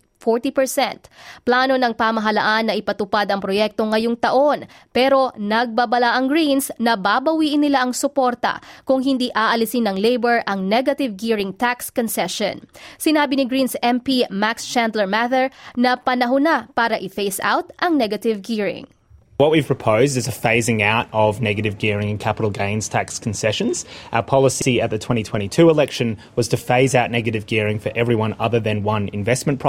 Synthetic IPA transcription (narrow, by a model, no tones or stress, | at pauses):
foɹt̪ipɛɹsɛ̰nt̪plaːno̞nɐŋpaːmɐɦɐlɐ̰ʔanːɐʔɪpɐt̪ʊpad̪ɐŋpɾojɛk̚t̪o̞ŋːɐjoŋt̪ɐʔo̞n | pɛɾo̞nɐɡ̚babɐlaʔɐŋɡɹinsnɐbabɐwiːʔɪnːɪlaʔɐŋsʊpoɾt̪ɐ̰kʊŋɦɪnd̪iːʔaːʔɐlɪsɪnːɐŋlejbɛɹʔɐŋnɛɡɐt̪ɪvɡiɹɪŋt̪akskɔnsɛʃo̰nsɪnaːbɪnɪɡɹinsɛmpimakst͡ʃænd̪lɛɹmaθɛɹnɐpɐnɐɦʊnapaːɾɐʔɪfeɪsa̰wt̪̚ʔɐŋnɛɡɐt̪ɪvɡiɹɪ̰̃ŋ | wʌt̚wiv̥pʰɹ̥əpʰoʊzdɨzɨfeɪzɪ̃ŋaʊɾʌvnɛɡɨɾɨvɡɪɹɪ̃ŋɨ̃nkʰæpəɾl̩ˠɡẽɪ̃nz̥tʰækskʰn̩sɛʃɨ̃nz̥ʔaʊə˞pʰɑlˠəsiɨt̪̚ðɨtʰw̥ɛ̃ɾ̃itʰw̥ɛ̃ɾ̃itʰʉəlɛkʃɨ̃nwʌz̥tʰɨfeɪzaʊtⁿnɛɡɨɾɨvɡɪɹɪ̃ŋfə˞ʔɛvɹiwʌ̃nʌðə˞ðɨ̃nwʌ̃nɪ̰̃ɱvɛsmɨ̃npʰɹ̥